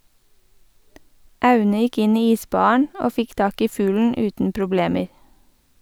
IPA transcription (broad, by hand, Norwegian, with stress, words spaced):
ˈʔɑʉnə ˈjɪk ˈɪn ˈiː ˈiːˌsbɑːɑɳ ˈoː ˈfɪk ˈtɑːk ˈiː ˈfʉːln̩ ˈʉːtn̩ pɾʊˈbleːməɹ